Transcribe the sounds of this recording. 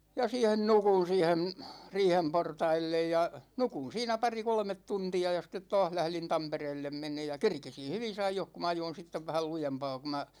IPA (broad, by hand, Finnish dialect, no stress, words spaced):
jɑ siːhen nukun̞ siːhem riːhem portɑilːej jɑ nukun̞ siːnæ pɑri kolmet tuntiɑ jɑ sitːet tɒːh læhlin tɑmpereːlːem menˑeːj̆ jɑ kerkisin̞ hyʋis ɑijoh ku m ɑjoin̞ sitːeʋ ʋæhæl lujempɑː ku mæ